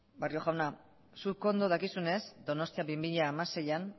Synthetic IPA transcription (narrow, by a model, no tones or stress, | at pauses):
bario̞ɣawna | suko̞nd̪oðakisune̞zd̪o̞no̞st̪iabimiʎaːmase̞jan